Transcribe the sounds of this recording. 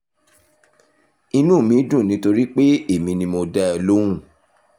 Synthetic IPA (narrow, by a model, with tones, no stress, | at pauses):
i˧nũ˦˨mĩ˨˦dũ˦˨nĩ˨˦to˧ɾi˦k͡pe˦e˦˨mĩ˧nĩ˧mo˧dɛ˦ɔ˨˧lõ˦ũ˦˨